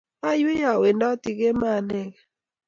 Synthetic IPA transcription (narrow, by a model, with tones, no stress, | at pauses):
a˦jʊ˦ja˨we˨ndɔ˦ti˨ke˦ma˦˨nɛ˦˨kɛ˨